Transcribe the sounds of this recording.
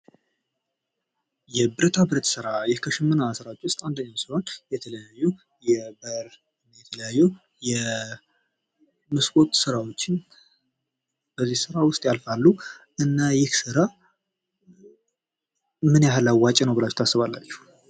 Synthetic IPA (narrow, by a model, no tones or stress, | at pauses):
jɛbɨɾət̪ʰabɨɾt̪sɨɾajɛhkʰəʃɨmːɨnasɨɾawot͡ʃːwʊst̪ʼand̪əɲːasɨwot͡ʃːjɛt̪ʰələjajːu | jɛbəɾ | ɨnjɛt̪ʰələjajːu | jɛ | mɨskʼot̪sɨɾawo̞t͡ʃːɪn | b̥əzːihsɨɾawʊst̪ʼjalfalːu | ʔɨnːajɪhsɨɾa | mɨnjalawat͡ʃʼɛnəwbɨlat͡ʃːt̪ʰasːɨβalːat͡ʃːu̥